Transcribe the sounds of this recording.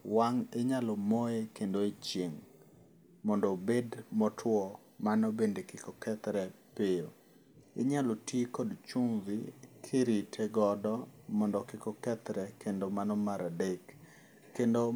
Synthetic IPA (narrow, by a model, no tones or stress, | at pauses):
waŋɪɲalɔmoekendoet͡ʃjeŋ | mɔndɔbedmɔtʰwɔ | manobendekɪkɔkɛt̪ɾɛpɪ | ɪɲalotjekɔdt͡ʃumvikʰeɾitʰɛɡɔdɔmɔndɔkɪkɔkɛt̪ɾɛkʰendomanɔmaɾadekː | endo